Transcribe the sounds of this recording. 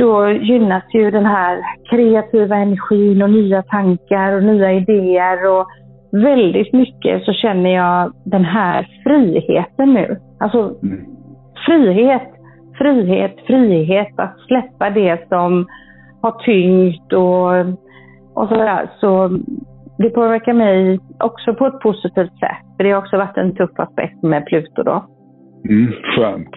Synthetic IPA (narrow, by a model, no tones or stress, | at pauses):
d̪̥ɔjʏnːasjɵd̪ɛnɦæːɾkʰɾɛat̪ʰiːvaɛnæɾɧiːnɔnyːat̪ʰaŋkaɾɔnyːaɪd̪eːəɾɔ | vɛld̪ɪt̪mʏkːə̰sɔɕɛnːəjɑːd̪ɛnɦæːɾfɾiːhḛːt̪ənːʉ̟ː | alsɔ | fɾiːɦeːt̪ | fɾiːɦḛːt̪fɾiːɦeːt̪at̪slɛpːad̪ɛsɔm | haʈʰʏŋt̪ɔ | ʔɔ̰sɔdæ̰ːɾʂɔ | d̪ɛpʰoːvæɾkaɾmɛjʔɔksɔpʰɔɛt̪̚pʰʊsɪt̪ʰiːft̪sɛ̰t̪ːfœɖɛhaɾɔksɔvaʈːɛ̰nt̪ʰɵfːa̰spɛ̰k̚t̪mɛpʰlʉ̟ːt̪ʊdɔ̰ | ɧɛnt̪